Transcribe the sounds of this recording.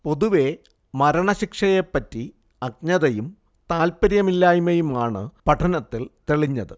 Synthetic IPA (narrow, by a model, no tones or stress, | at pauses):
po̞ðuʋe̞ | mɐɾɐɳɐɕikʂɐje̞pːɐtːi | ɐk̚ɲɐðɐjum | t̪aːlpɐɾjɐmilːaːjumɐjumaːɳɨ̰pɐʈʰɐnɐt̪ːilt̪eɭiɲːɐðɨ